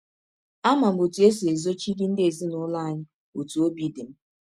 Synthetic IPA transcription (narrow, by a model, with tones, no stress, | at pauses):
a˦ma˨m̩˦˨o˨tu˨˦e˦s̬i˨e˨zo˦t͡ʃi˦di˦n̩˦dɪ˦e˨zi˦nʊ˨˦la˦a˨ɲɪ˦ | o˨tu˨o˦bi˦de˨m̩˦